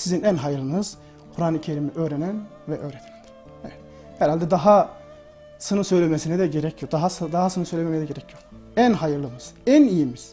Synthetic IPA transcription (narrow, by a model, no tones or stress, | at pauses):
sizinænɦajɯɾlˠɯnɯz̥ | kʰuɾaːnɯcʰeɾimiʔøːɾenæn | vɛʔøːɾet̪ʰe̥lɛn | hɛvɛt̪ | hɛɾalʲd̪ɛd̪aɦa | sɯnɯsø̞jlʲemesinɛd̪ɛɟe̞ɾɛcʰijod̪aɦasd̪aɦasɯnɯsøjlʲememejɛd̪ɛɟeɾɛcʰijo | ænɦajɯɾlˠɯmɯz̥ænijimiz̥